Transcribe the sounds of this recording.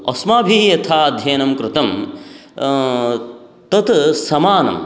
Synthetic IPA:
ɐsmaːbʱijɐt̪ʰaːɐd̪ʱjɐːnɐmkɾɪt̪ɐm | t̪ɐt̪sɐmaːnɐ̰m

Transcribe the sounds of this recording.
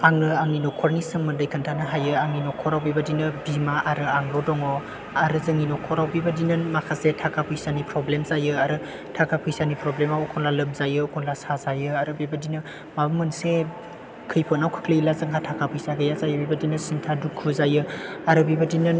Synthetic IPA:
aŋnɯaŋninɔkʰɔɾnisɯŋmɯndɯjkʰɯntʰanɯɦajɯaŋninɔkʰɔɾawbibadinɯbimaʔaɾɯaŋɾɔdɔŋɔ | aɾɯzɯŋinɔkʰɔɾawbibadinɯnmakʰasetʰakʰapʰujsanipɾɔblemzajɯaɾɯ | tʰakʰapʰujsanipɾɔblemawɔkʰɔŋlalɯmzajɯɔkʰɔŋlasazajɯaɾɯbibadinɯ | mabɯmɯnse | kʰɯjpʰɯnawkʰɯ̥kʰlɯilazɯŋʰatʰakʰapʰujsaɡejazajɯbibadinɯsintʰadukʰːuzajɯaɾɯbibadinɯn

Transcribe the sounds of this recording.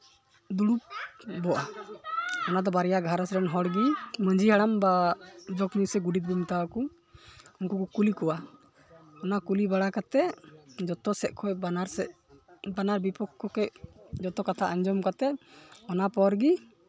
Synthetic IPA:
d̪uɽup̚bɔʔa | ɔnad̪ɔbaɾɛjaɡʱaɾasɾɛnɦɔɽɡiməɲd͡ʒiɦaɽambad͡ʒɔkmusɛɡuɖit̪̚bumt̪aku | ɔŋkukɔkulikɔwa | ɔnakulibaɽakat̪ɛd͡ʒɔt̪ɔsɛʔ̪̚kʰɔjbanaɾ | banaɾbipɔkʰːɔkɔjd͡ʒɔt̪ɔkat̪ʰaʔəɲd͡ʒɔmkat̪ɛɔnapɔɾɡi

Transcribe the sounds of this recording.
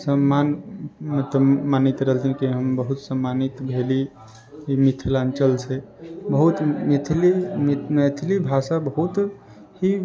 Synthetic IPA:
səmːanmt̪əmanit̪ɾəɦəlt̪ʰinkiɦəmbəɦut̪səmːanit̪bʱeli | imit̪ʰlant͡ʃəlt͡ʃʰe | bəɦut̪mit̪ʰlimmet̪ʰlibʱasabəɦut̪ | hi

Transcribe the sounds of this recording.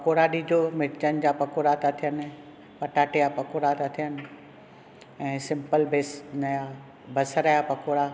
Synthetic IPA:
pɐkoːɾaɗiːd͡ʑomɪɾt͡ɕənɪ̆d͡ʑapɐkoːɾat̪at̪ʰijənɪ | pɐʈaːʈijapɐkoːɾat̪at̪ʰijənɪ̆ | ɛ̃ːsɪ̃mpəlbeːsnɐja | bɐsɾajapɐkoːɾa

